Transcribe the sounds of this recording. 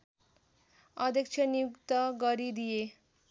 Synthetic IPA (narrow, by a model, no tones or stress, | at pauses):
ʌd̪ʱʌkt͡ʃʰʌnjukt̪ʌɡʌɾid̪ije